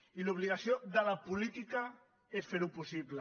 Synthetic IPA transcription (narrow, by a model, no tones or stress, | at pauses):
iluβ̞liɣasjoðəlapulit̪ika | esfeɾupusiβlə